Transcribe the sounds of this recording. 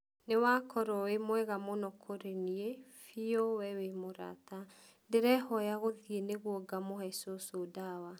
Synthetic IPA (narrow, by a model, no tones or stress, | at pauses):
newakʰɔɾɔwemwɛɣamɔnɔkʰoɾeniefiɔwɛwemoɾa̰ta | deɾɛhɔjaɣoðieneɣwɔɡamohɛsosodawa